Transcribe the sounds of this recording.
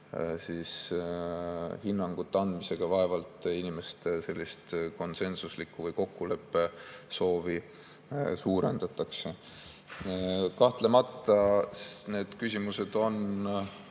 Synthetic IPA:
siːs | hinːɑŋɡ̥ut̪ːˑɑnd̪mise̞ɡ̥ɑvɑe̞vɑlt̪ˑinʲime̞st̪se̞lʲːist̪ko̞nse̞nsuslikːuvɤjko̞kːule̞pːe̞so̞ːvi | suːɾe̞nd̪̥ɑt̪ːˑɑkse̞ | kɑht̪le̞mɑt̪ːˑɑne̞ːd̪̥kysʲimuse̞d̪̥o̞n

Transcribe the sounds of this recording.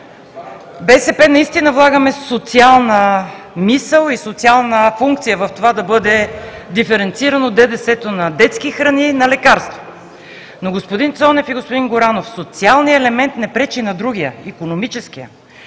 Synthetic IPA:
bɛsɛpɛnɐist̪inəvlˠaɡəmɛsot̪sialˠnə | misəlˠisot̪sialˠnəfuŋkt̪sijəvɐft̪ovad̪ɐbɤd̪ɛd̪ifɛɾɛnt̪siɾɐnod̪ɛd̪ɛsɛt̪onɐd̪ɛt̪skixɾɐninɐlɛkaɾst̪vo | noɡospod̪int̪sɔnɛfiɡospod̪inɡoɾanofsot̪sialˠnijəɛlɛmɛnt̪nɛpɾɛt͡ʃinɐd̪ɾuɡ̟ijəikonomit͡ʃɛsk̟ijə̰

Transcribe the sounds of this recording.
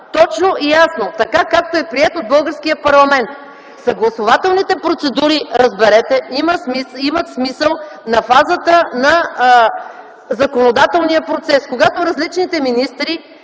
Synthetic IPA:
t̪ɔt͡ʃnoʔijasnot̪ɐkakak̚t̪oɛpɾiɛt̪od̪̚bɤlˠɡəɾskijəpɐɾlˠɐmɛnt̪ | sɐɡlˠɐsovat̪ɛlˠnit̪ɛpɾot̪sɛd̪uɾiɾəzbɛɾɛt̪ɛiməmiimət̪smisəlˠnɐfazət̪ənɐ | zɐkonod̪at̪ɛlˠnijəpɾot̪sɛskoɡat̪oɾɐzlit͡ʃnit̪ɛminist̪ɾi

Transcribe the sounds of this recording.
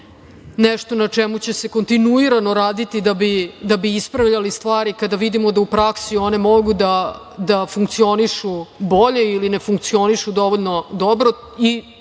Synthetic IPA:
neʂt̪o̞nat͡ʂɛmut͡ɕe̞se̞ko̞nt̪inuiɾano̞ɾaːd̪it̪id̪abid̪abiispɾaʋʎalist̪ʋaːɾikad̪aʋid̪imod̪aupɾaksio̞ne̞moɡud̪a | d̪afuŋkt̪sio̞niʃubo̞ʎeilinefuŋk̚t̪sio̞niʂud̪o̞ʋoʎno̞d̪obɾo | i

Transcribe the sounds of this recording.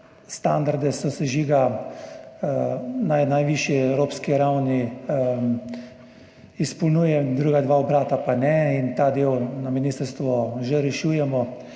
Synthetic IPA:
st̪and̪aɾd̪ɛsɔsɛʒiːɡa | najnajʋiːʃjiɛwɾoːpskiɾawni | ispɔlnuːjɛd̪ɾuːɡad̪ʋaɔbɾaːt̪apanɛint̪aːd̪eːwnaminist̪əɾst̪ʋɔʒɛɾɛʃuːjɛmɔ

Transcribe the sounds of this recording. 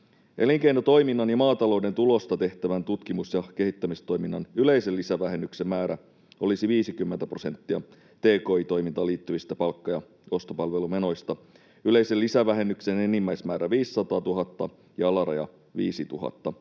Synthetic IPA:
ʔe̞liŋkejnot̪o̞jminːɑnjɑmɑːt̪ɑlo̞uwde̞nt̪ulo̞st̪ɑt̪e̞ht̪æʋænt̪ut̪k̟imusjɑk̟e̞hit̪ːæmist̪o̞jminːɑnyle̞iselːisæʋæɦe̞nːyksemːæːɾæ | o̞lisiʋiːsikymːent̪æpro̞se̞nt̪ːiɑ̰ | t̪e̞ːko̞ːit̪o̞jmint̪ɑliːt̪ːyʋist̪æpɑlkːɑjɑ | o̞st̪o̞pɑlʋe̞lume̞no̞jst̪ɑ | yle̞jselːisæʋæɦe̞nːyksene̞nimːæjsmæːɾæʋiːsːɑt̪ɑːt̪uɦɑt̪ːɑ | jɑɑlɑɾɑ̰jɑ̰ | ʋḭːsit̪uɦɑ̰t̪ːɑ

